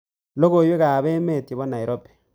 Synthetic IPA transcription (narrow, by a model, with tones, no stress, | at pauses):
lo˦ɣo˨jwe˦ɣa˨βe˦me˦˨te˨βo˦na˨i˨ɾo˦pe̥˨